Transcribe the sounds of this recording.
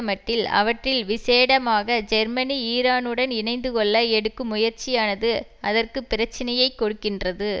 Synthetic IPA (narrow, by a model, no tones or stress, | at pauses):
ɐmɐʈːɪlɐ̰ʋɐʈrɪlʋɪseːɽɐmaːɣɐd͡ʒɛɾmɐniiːɾaːnɯɽɐnɪnɐɪnd̪ɯkɔɭːɐɛɽɯkːɯmːʊjɐɾt͡ʃɪjaːnɐðɯɐðɐrkɯpːɪɾɐt͡ʃːɪnɐjɐɪkːɔɽɯkːɪndrɐðɯ